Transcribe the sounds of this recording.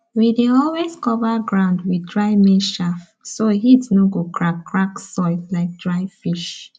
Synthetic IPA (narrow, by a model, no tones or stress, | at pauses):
wideɔlwezkɔvaɡɹãʊ̃ndwidɹaɪmẽʃaf | soɦitnɔɡokʰɹakʰːɹaksɔɪslaɪk̚dɹaɪfiʃ